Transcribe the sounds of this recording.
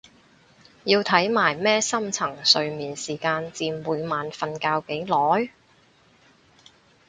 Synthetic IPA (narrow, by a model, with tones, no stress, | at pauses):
jiː˧wt̪ʰɐ˨˥jmaː˨˩jmɛː˥sɐ˥mt͡sʰɐ˨˩ŋsɵ˨ɥmiː˨nsiː˨˩kaː˧nt͡siː˧nwuː˨˧jmaː˨nfɐ˨nkaː˧wke˨˥jlɔː˨˥j